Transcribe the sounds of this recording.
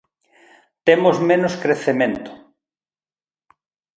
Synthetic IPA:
t̪emozmẽnoskɾeθemẽnt̪ʊ̥

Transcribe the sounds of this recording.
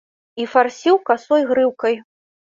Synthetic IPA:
ifarsʲiwkasɔjɣɾɨwkɐj

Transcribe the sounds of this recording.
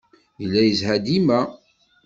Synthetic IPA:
jəlːæjəzhæd̪imæ

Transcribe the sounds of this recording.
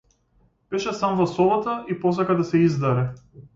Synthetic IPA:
b̥ɛʃɛsamvasɔvat̪aipɔs̬akad̪asɛizd̪aɾɛ

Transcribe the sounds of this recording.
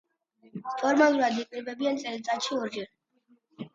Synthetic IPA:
pʰɔɾmalˠuɾad̪iqʼiɾbɛbiant̪sʼɛlit̪sʼat̪ʃiɔɾd͡ʒɛɾ

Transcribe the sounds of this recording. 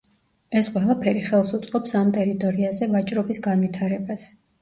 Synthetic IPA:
ɛsqʼwɛlˠapʰɛɾiχɛlˠsut̪sʼqʼɔpsamt̪ʼɛɾit̪ʼɔɾiazɛvat͡ʃʼɾɔbisɡanwit̪ʰaɾɛbas

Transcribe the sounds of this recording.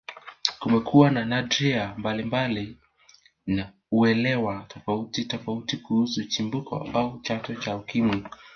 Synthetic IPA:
kumɛkʰuwananad͡ʒɛambalimbali | na | uɛlɛwatʰɔfautitɔfautikuhusut͡ʃimbukʰɔ̰aut͡ʃatɔt͡ʃaukimwi

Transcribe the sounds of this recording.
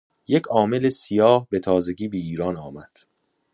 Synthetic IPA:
je̞cʰɒːme̞lesijɒːhbe̞t̪ʰɒːze̞ɟiːbiiːɾɒːnɒːmæd̪̥

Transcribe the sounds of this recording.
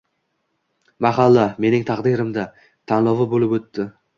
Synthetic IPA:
maɦalːame̞nɪŋt̪ʰɑqd̪ɪɾɪmd̪a | t̪ʰanlˠɒvɪbolɪpot̪ːɪ

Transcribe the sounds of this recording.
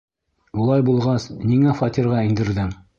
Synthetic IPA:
ulˠɑjbulˠʁɑsniŋæfɑt̪iɾʁɑĭnd̪ɘ̆ɾðɘm

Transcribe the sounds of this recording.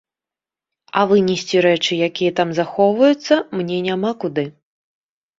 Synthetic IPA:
ɐvɨnʲɛsʲt͡sʲiɾɛt͡ʂɨjakʲijɐt̪amzaxɔwvɐjut̪sːɐmnʲɛnʲamakud̪ɨ

